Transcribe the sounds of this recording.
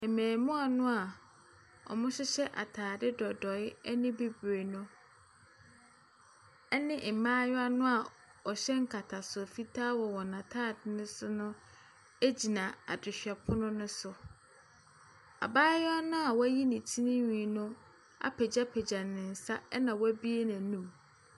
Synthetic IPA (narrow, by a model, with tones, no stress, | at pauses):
ɛ˨mɛ̃ː˨mʊ̃˦a˨nʊ̃˦a˨ | ɔ̰˨mʊ̃˦ɕɪ˦ɕɛ˦ʔa̰˨tʰaː˨dɪ˦dɔ˨dɔ˨ɪ˦ɛ˦nɪ̃˦be˦be˨nʊ̃˦ | ɛ˦nɪ̃˦ʔmãː˦jɔ˦a˦nʊ̃˦a˨ | ɔ˨ɕɛ˦ŋ̩˦kʰa˨tʰa˨sʊ˨fi˦tʰaː˦wɔ˨wɔ˨nã˨tʰaː˦˨dɪ˦nʊ̃˦sʊ˦nʊ̃˦ | e˦d͡ʑi˨nã˨a˨dɪ˨ɕᶣɛ˨pʰʊ˦nʊ̃˦nʊ̃˦sʊ˨ | a̰˨baː˦jɔ˦a˦nʊ̃˦a˨wɔ˦æ˦ji˦nĩ˨tʰi˦nɪ̃˦ɲĩ˨nʊ̃˦ | a̰˦pʰɛ˨d͡ʑa˦pʰɛ˨d͡ʑa˨nɪ̃˨n̩˨sa˦ɛ˦nã˨wɔ˦æ˦bi˦e˦nã˨nũ˦m